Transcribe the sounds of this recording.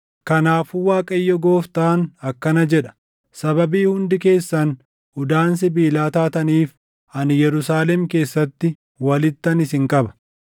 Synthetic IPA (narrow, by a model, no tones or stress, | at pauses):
kɐnaːfʊwaːkʼɐjːɔɡo̞ːft̪aːnɐkːɐnɐd͡ʒɛᶑɐ̥ | sɐbɐbiːhʊnd̪ɪke̞ːsːɐn | ʊd̪aːns̬ɪbiːlaːt̪aːt̪ɐniːf | ɐnjɛɾʊsaːlɛmke̞ːsːɐt̪ːɪ | wɐlɪt̪ːɐnɪsɪŋkʼɐbɐ̥